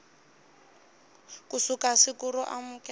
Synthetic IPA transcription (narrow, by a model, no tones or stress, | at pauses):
kusukasikuɾɔʔamukʼɛ